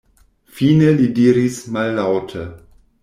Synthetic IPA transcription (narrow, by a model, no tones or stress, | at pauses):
fiːnəlidiːɾismalːawtʰə